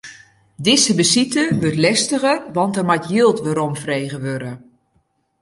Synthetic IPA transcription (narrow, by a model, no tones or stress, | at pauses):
dɪsəbəsitəʋøtlɛstəɣərʋɑntərmatjilˠtʋəɾɔmfrejɣəʋøɾə